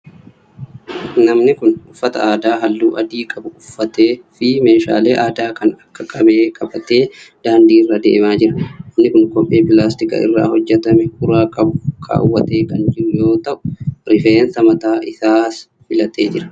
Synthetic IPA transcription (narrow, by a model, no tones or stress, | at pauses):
nɐmnɪkʊnʊfːɐt̪ɐ̰aːd̪aːɦɐlːuːʔɐd̪iːkʼɐbʊʊfːɐt̪e̞ːfɪme̞ːʃa̰ːle̞ːʔaːd̪aːkɐnɐkːɐkʼɐbe̞ːkʼɐbɐt̪e̞ːd̪̥aːnd̪iːrːɐd̪ḛːmaːd͡ʒɪɾɐnɐmnɪkʊnkʼɔʔʼʔeːpɪlaːst̪ɪkɐ̰ɪ̰rːa̰ːhɔd͡ʒːɛt̪ɐmɛhʊɾaːkʼɐbʊkʰa̰ːwːɐt̪e̞ːkɐnd͡ʒɪɾʊjo̞ːt̪ɐʔʊ̥ɾɪfe̞ːnsɐmɐt̪aːʔɪsaːs | fɪlɐt̪e̞ːd͡ʒɪɾɐ̥